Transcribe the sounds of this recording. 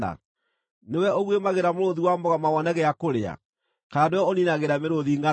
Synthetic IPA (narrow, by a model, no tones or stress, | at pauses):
a̰ | newɛoɣwemaɣeɾamoɾoðiwambɔɣamawɔnɛɣɛakoɾea̰ | kanewɛɔninaɣeɾameɾoðiŋɡa